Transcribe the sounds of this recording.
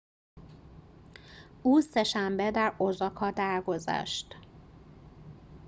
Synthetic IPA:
uːsɛʃambɛd̪aːɾozɒkɒd̪aːrɡoza̰ːʃt̪

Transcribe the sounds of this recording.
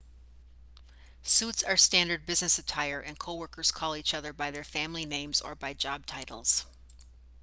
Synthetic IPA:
sutsə˞stæ̃ndə˞d̚bɪznɨsɨtʰaɪə˞ʔɨ̃nkʰoʊwɜ˞kə˞z̥kʰɔlˠit͡ʃʌðə˞baɪðə˞fæ̃mlinẽɪ̃mzə̰˞baɪd͡ʒɑb̚tʰaɪɾl̩ˠz̥

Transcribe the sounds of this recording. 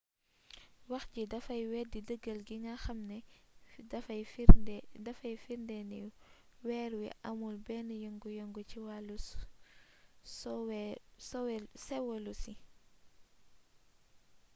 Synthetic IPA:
wɐxcidɐfɐjwɛdidəɡːəlɡiŋaxɐmnɛdɐfɐjfdɐfɐjfiɾndɛnɛ | wɛːɾwḭʔɐmulbɛnəjŋɡujɔŋɡuciwalu | swsɔwɛsɛwɛlusi

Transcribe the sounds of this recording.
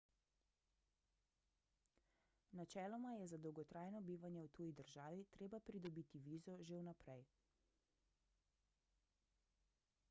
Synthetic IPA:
nat͡ʃɛːlɔmajɛzad̪ɔwɡɔt̪ɾaːjnɔbiːʋanjɛwt̪uːjid̪əɾʒaːʋit̪ɾeːbapɾid̪ɔbiːt̪iʋiːzɔʒewnapɾɛj

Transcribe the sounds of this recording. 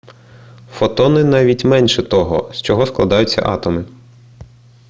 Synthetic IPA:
fɔt̪ɔnɪnɑʋʲitʲmɛnʃɛt̪ɔɦɔ̰st͡ʃɔɦɔsklˠɐ̰d̪ɑjʊt͡sʲːɐ̰ʔɑ̰t̪ɔmɪ

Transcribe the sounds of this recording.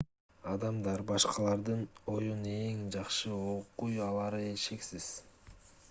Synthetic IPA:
ɑd̪ɑmd̪ɑɾbɑʃqɑlˠɑɾd̪ɯno̞june̞ŋd͡ʒɑqʃɯoqujɑlˠɑɾɯeʃe̞ksiz̥

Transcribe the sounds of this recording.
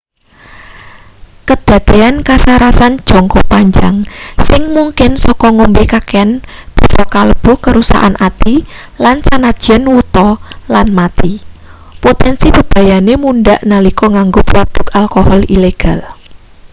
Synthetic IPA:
kəd̪̥ä̤d̪̥eankasaɾasan̥ʒ̥ɔŋkɔpaɲd͡ʒaŋsɪŋmuŋkɪnsɔkɔŋombekakeanb̥i̤sɔkaləb̥ukəɾusa̰ʔanʔat̪i | lansanadd͡ʒ̥ɛnwut̪ɔlanmat̪i | pot̪ɛnsib̥ə̤b̥a̤janemundaʔnalikɔŋaŋɡoprud̪̥ʊ̤kalkɔhɔlileɡ̥a̤l

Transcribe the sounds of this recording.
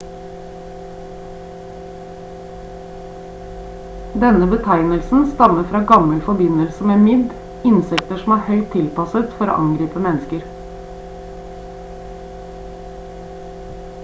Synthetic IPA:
d̪ɛnəbət̪ʰæɪnəlsn̩st̪ɑməfɾɑːɡɑməlfɔbɪnəlsəmeːnmɪd̪ | ɪnsɛk̚t̪əʃɔmæːɾhœʏt̪ʰɪlpɑsət̪fɔɾo̰ːʔɑŋɡɾiːpəmɛnəskəɾ

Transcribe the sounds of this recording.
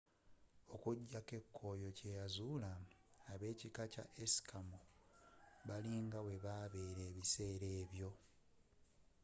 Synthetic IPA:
o̞kuɟːake̞kʰːo̞jo̞ce̞jazulaːβe̞ːcikaca̰ʔesi̥kʰamu | βaliːŋɡawe̞βaːβe̞ːɾe̞ːβise̞ːɾe̞ːβjo̞

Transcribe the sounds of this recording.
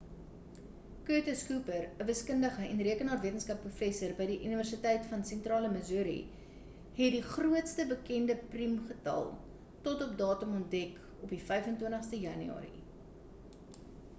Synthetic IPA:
køtəskuːpərəvəskəndəχəɛnriəkənɑːtviətənskɐprufɛsərbəjdiʔyniværsitɛjtfɐnsɛntrɑːləməzuːɾḭ | ɦɛtdiχruətstəbəkɛndəprimχətɐ̰lˠ | tɔtɔpdɑːtumɔnt̚dɛk | ɔpdifɛjfəntwiəntəχstəjɐny̰ɑ̰ːɾḭ

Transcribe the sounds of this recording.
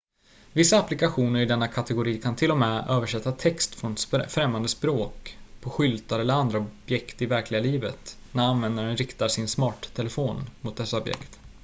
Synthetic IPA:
vɪsːaːplɪkaɧuːnəɾɪd̪ɛnːakʰat̪ɛɡʊɾiːkʰant̪ʰɪlːɔmɛːøːvəʂɛt̪ːat̪ʰɛkst̪fɾɔnsfɾɛmːand̪əspɾoːkpʰɔɧʏlt̪aɾɛlːəɾand̪ɾaɔbjɛkt̪ɪvæɾklɪɡaliːvət̪ | næɾanvɛnd̪aɾənɾɪkt̪aʂɪnsmɑːʈt̪ʰːɛlɛfoːnmʊt̪̚d̪ɛsːaɔbjɛ̰kt̪

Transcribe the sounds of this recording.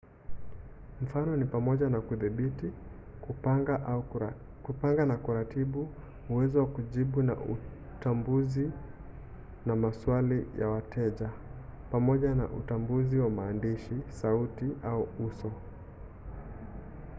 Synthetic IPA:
m̩fanɔnipamɔʄanakuðiɓiti | kupaŋɡanakuɾatiɓu | uwɛzɔwakuʄiɓuna̰u | tambuzi | namaswalija̰watʰɛʄapamɔʄana̰ʔutambuziwamaːndiʃisautiʔauusɔ

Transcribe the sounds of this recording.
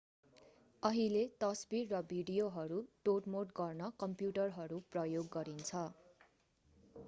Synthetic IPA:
ʌɦilet̪ʌsbirːʌbʱiɖijoɦʌɾuʈoʈmoʈɡʌrnʌkʌmpjuʈʌrɦʌɾuprʌjoɡːʌɾint͡sʰʌ

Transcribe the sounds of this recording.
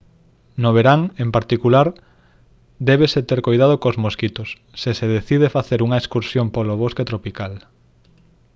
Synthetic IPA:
noβ̞eɾaŋempaɾt̪ikulaɾ | d̪ɛβeset̪eɾkojðað̞okozmoskit̪osːeseðeθið̞efaθeɾuŋɐeskuɾsjompoloβ̞osket̪ɾopikal

